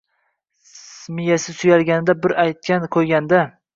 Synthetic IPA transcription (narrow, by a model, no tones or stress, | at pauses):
smɪjasɪsʊjalɡʲanɪd̪abɪɾajt̪̚kʲanqʰojɡʲand̪a